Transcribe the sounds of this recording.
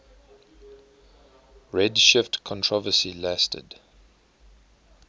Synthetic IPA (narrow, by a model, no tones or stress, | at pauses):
ɹɛdʃɪftkʰɔ̃ntʰɹ̥ɔvəsilæstʰə̰d